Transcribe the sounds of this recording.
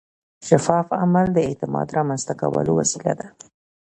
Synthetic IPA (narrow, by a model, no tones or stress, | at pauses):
ʃafɑfamald̪əet̪ɪmɑ̰d̪ɾɑmanz̥t̪akawə̰lowasilad̪a